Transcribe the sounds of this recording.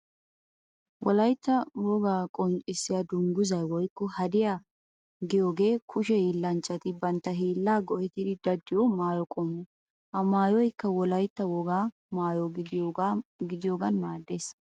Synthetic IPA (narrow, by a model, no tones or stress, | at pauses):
wʔɔlɐjt̪ːɐwɔɡaːkʼɔnt͡sʼɪsːɪjad̪ʊŋɡʊzɐjwɔjkːɔhɐd̪ɪja | ɡɪjoːɡe̞ːkʰʊʃɛjiːlːɐnt͡ʃʼːɐt̪ɪbɐnt̪ːɐɦiːlːaːɡɔʔɛt̪ɪd̪ɪd̪ɐd̪ːɪjɔmaːjɔkʼɔːmːɔ | ʔɐmaːjɔjkːɐwɔlɐjt̪ːɐwɔɡaː | maːjɔ | ɡɪd̪ɪjoːɡɐnmaːd̪ːeːs